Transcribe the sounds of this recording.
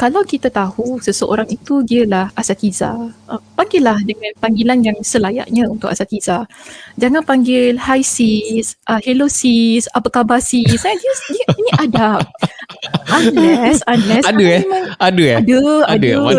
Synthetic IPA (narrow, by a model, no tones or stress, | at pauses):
kalawkit̪at̪ahusəsəʔo̰ɾaŋit̪udiəlahʔasat̪iza̰əmpaŋɡɪlːahdəŋãnpaŋɡilanjaŋsəlaja̰ʔɲãunt̪ʊkasat̪izad͡ʒaŋãnpaŋɡɪlhajsisʔəhelosisapəkabasisadiədiəinĩʔada | alɛsanlɛsadəemãŋadəadəad